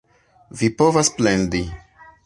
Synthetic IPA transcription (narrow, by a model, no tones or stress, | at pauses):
vipovasplendi